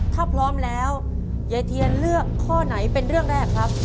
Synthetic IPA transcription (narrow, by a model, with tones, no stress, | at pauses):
t̪ʰaː˥˩pʰlɔː˦˥mlɛː˦˥w | ja˧jt̪ʰi˧ənlɯ˥˩əkʰːɔː˥˩na˩˦jpe˧nɾɯ˥˩əŋɾɛː˥˩kʰːɾa˦˥p̚